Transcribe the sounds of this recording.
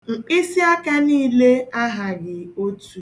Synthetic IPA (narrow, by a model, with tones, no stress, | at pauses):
ŋ͡m̩˨k͡pi˦si˦a˦ka˦niː˦le˦a˦ɦa˨ɡɪ˨o˦tu˨